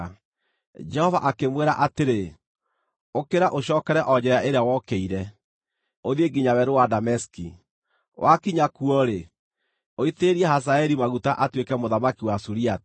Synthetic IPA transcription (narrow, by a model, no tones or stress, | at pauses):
d͡ʒɛhɔvaʔakemweɾaʔateɾe | okeɾaʔoɕɔːkɛɾɛʔɔd͡ʑɛɾaʔeɾeawɔkeiɾɛ | oðeɡiɲawɛɾowadamɛski | wʔakiɲakuɔɾe | oiteɾiɛhas̬aɛɾimaɣutaʔatwekɛmoðamakiwasuɾiat